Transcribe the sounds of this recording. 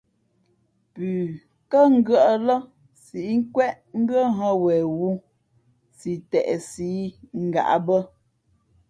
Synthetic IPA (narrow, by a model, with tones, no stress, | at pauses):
pʉː˨ | kə˦ŋ̩˦ɡɰə˦ʔə˦lə˦ | si˨ʔŋ̩˦kwɛ˦ʔ | ŋ̩˦bə˦ɦə˦wɛ˨wu˦ | si˨tɛ˨ʔsi˦ŋ̩˦˨ɡa̰˨ʔa̰˦bə˦